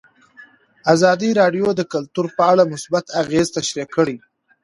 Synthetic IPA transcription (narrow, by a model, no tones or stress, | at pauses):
azɑd̪iɾɑɖjod̪əkalt̪uɾpəaɽamʊsbat̪aɣezt̪aʃɾikəɽi